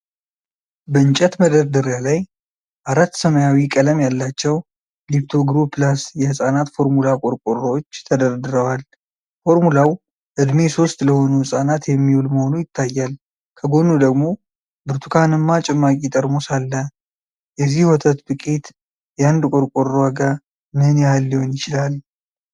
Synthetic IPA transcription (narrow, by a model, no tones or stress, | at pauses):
bənt͡ʃʼɛt̪məd̪əɾd̪ɨɾjalaj | ʔaɾat̪ːsəməjawikʼələmjalːat͡ʃːɛw | lipt̪ʰo̞ɡɾupʰːlasjɛhɨsʼanat̪fo̞ɾmulakʼoɾkʼorəwot͡ʃːt̪ʰəd̪əɾd̪ɨɾəwal | fo̞ɾmulaw | ʔɨd̪me̞so̞st̪ləho̞nuhɨsʼanat̪jɛmːiwulməho̞nujɪt̪ʰːajːal | kʰəɡo̞nud̪əɡmo̞ | bɨɾt̪ʰukʰanɨmːat͡ʃʼɛmːakʼit̪ʼəɾmosalːə | jɛzːihwɔt̪ʰət̪bɨkʼit̪ | jand̪kʷʼoɾkʼorwaɡa | mɨhnaalːihonjɪt͡ʃɪlal